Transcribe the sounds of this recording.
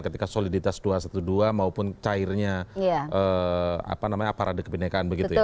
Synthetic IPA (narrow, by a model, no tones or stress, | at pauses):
kət̪ikasolidit̪asduasat̪uduamaupʊnt͡ʃaɪrɲajaʔəːa̰panamaɲaːpaɾʔadakəpinakaːnbəɡitt̪uj